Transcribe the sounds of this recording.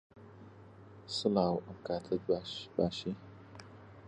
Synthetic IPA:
sɨlaːwʔəmkʰaːtʰɐdbaʃbaːʃi

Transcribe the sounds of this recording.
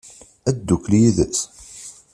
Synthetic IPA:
æd̪ːukːljiðəs

